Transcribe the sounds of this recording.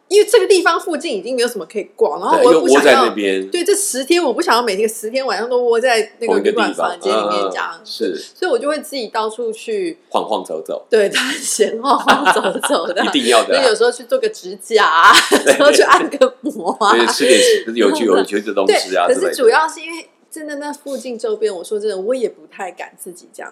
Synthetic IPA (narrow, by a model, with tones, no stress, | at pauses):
i˥nwe˥˧ʈ͡ʂɤ˥˩ɡə˩t̪i˥˩fɑ˧ŋfu˥˧t͡ɕi˥˩ni˨˩t͡ɕi˥˩ŋme˧˥o˧ʊʂmə˧kʰɤ˧˥i˨˩kwɑ˨˩na˧˥xwo˥ɔ˨˧˥a˥˧na˥˩pjɛ˦nwe˥˩ɪʈ͡ʂɤ˥˩ʂɻ̩˧˥t̪ʰjɛ˥nwɔ˨˩pu˥˩ɕjɑ˨ŋjɑ˥˩me˨˩ɪi˥ɡə˧˩ʂɻ̩˧˥t̪ʰjɛ˥nwa˨˩nʂɑ˥˧ŋt̪o˥ʊwɔ˥˧t͡sa˥˧ɪna˥˩˨ɡə˨i˧ɡə˧lwa̰˨˥˩fɑ̰˥˧˩ŋt͡ɕɛ˥li˩mjɛ˥˧t͡ɕjɑ̰˨˩˦ŋʂ̩˥˩swi˨˩wɔ˨˩t͡ɕjo˥˧ʊwe˥˧ɪt͡sɹ̩˥˩t͡ɕi˨˩t̪ɑ˥ʊʈ͡ʂʰu˥˧t͡ɕʰy˥˧xwɑ̰˧ŋxwɑ̰˥˩ŋt͡so˧˥ʊt͡so̰˨˩˦ʊt̪we˥˩ɪd̪ə˧˩ɕjɛ˧˥nxwɑ˥˧ŋxwɑ˥˧ŋt͡so˧˥ʊt͡so˨˩ʊd̪ə˨i˥˧ŋjɑ˥˩ʊsə˧˥˧jo˨˩ʂ̩ɻ̩˧˥xo˥˧ʊt͡ɕʰy˥˧t͡swɔ˥˩ɡə˩ʈ͡ʂɻ̩˧˥t͡ɕja˥˧˨xo˥˧ʊt͡ɕʰy˥˧ʔa˥˩nɡə˩mwɔ˧˦˥ʂɻ̩˥t̪jɛ˧˥˨jo˧˥ʊt͡ɕʰy˥˩o˨˩t͡ɕʰi˧˥y˥˧d̪ə˩ʊ̰˥t̪wɪɕḭ˧˥˨ə˩ʂ̩˥˩u˨˩jɑ˥˧ʊʂɻ̩˥˩i˥nwe˥˩ɪ | ʈ͡ʂə˦˥nd̪ə˨na˥˩fu˥˧t͡ɕi˥˧ŋʈ͡ʂo˥˧ʊpjɛ˥˩nwɔ˨˩ʂwɔ˥ʈ͡ʂə˥˩ə˩wɔ˧˥jɛ˨˩pu˧˦˥t̪ʰa˥˩ɪka̰˨˩nt͡sɹ̩˥˩t͡ɕḭ˨˩ʈ͡ʂjɑ̰˥˩